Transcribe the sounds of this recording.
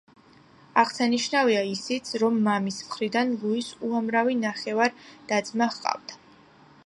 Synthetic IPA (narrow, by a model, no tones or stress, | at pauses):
aʁsaniʃnaviaisit̪sʰɾɔmːamismχɾid̪anlˠuisuamɾavinaχɛvaɾd̪̥ad̪zmaχqʼa̰vd̪a